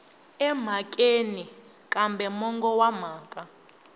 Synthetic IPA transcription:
ɛm̤akʼeni | kʼambɛmɔŋɡɔwam̤aːkʼa

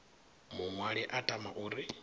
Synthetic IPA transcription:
muŋwaɺiʔatʼamaʔuːɾi

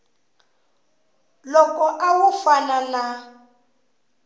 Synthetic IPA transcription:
lɔkɔʔawufanana

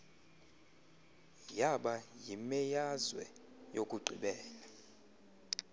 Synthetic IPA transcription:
jaɓajimɛjazwɛ̰ | jokʼuɡ͡ǀʱiɓɛːla

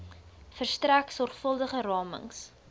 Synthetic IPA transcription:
fərstræksɔrχfəlˠdəχərɑːmə̰ŋs

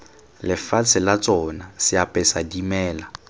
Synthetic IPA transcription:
lɪfat͡sʰɪlat͡sʼɔnasɪapʼɛsadimɛːla

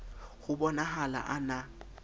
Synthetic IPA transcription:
ɣʊbɔnaɦala̰ʔana

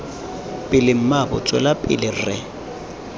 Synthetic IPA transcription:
pʼɪlɪm̩mabʊt͡sʼwɛlapʼɪ̰lɪrɪ

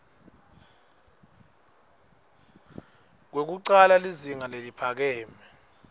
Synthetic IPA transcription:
k̬wek̬uǀalaliziŋalelipʰak̬ɛːmɛ

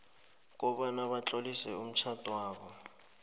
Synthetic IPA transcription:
k̬ʼɔɓanaɓat͡ɬʼolisɛum̩t͡ʃʰatʼwaːɓɔ

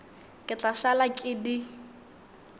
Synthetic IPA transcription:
kʼɪt͡ɬaʃalakʼɪdi

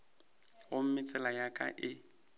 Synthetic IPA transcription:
ɣʊm̩mɪt͡sʼɛlajakʼa̰ʔɪ

